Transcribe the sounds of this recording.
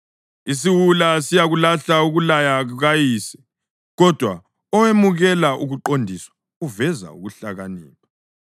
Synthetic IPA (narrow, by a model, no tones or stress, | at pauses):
is̬iwulasijaɣulaɬauɣulajauɣajiːsɛ̥ | ɣɔd̥ʱwa̰ | ɔwemuɣɛlaʔuɣuǃondʱiswḁ | uvɛza̰ṵɣuɬaɣanḭːpa